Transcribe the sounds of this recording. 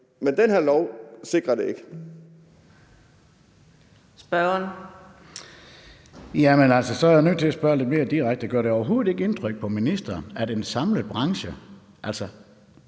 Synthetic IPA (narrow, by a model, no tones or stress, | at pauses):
mend̥enheɐlɒʊ̰se̝ɡ̥ʁɐd̥e̝eɡ̥ə | sb̥ɶɐn | jæmenæl̰sɒsɒæɐjänø̰t͡sʰe̝æsb̥ɶɐle̝d̥̚me̝ːɐd̥iʁaɡ̥̚d̥əɡ̥ɶɐ̰ɾe̝ɒʊɐɦo̝ːð̩ˠe̝ɡ̥əe̝nt͡sʰʁœɡ̥̚pʰɒ̽minisd̥ɐːnæd̥e̝nsɑ̈mləð̩ˠb̥ʁɑ̈ŋɕə | ʔæl̰sɒ